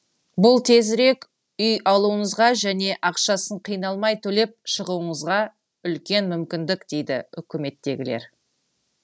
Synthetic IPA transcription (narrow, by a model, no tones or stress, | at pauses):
bʊlˠt̪ʰe̞zɾe̞k | ʏjɑlˠuəɴəzʁɑʒæne̞ʔɑqʃɑsəɴqʰijnɑlˠmɑjt̪ʰɵle̞p̚ʃəʁuəɴəzʁɑ | ʏlkʲe̞nmʏmkʲɪnd̪ɪkd̪̥e̞jd̪ɪ̰ʏkʲɪme̞t̪ːe̞ɡʲɪle̞̰ɾ